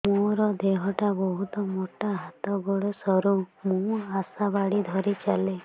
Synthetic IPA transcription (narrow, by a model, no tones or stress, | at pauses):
mũɔɾɔd̪eɦɔʈabɔɦut̪ɔmoʈaɦat̪ɔɡoɽesɔɾumũasabaɽid̪ʱɔɾit͡ʃale